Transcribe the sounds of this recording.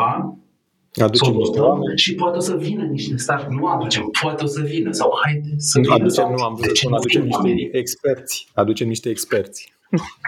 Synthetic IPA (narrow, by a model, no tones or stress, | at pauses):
a | ad̪ut͡ʃemniʃt̪eameʃipoat̪eosəvinəniʃt̪e̞st̪aɾnuad̪ut͡ʃempoat̪eosəvinəsawhajd̪esəad̪ut͡ʃemnuamunad̪ut͡ʃemniʃt̪eekspe̞rt̪sʲad̪ut͡ʃemniʃt̪eːkspe̞rt̪sʲ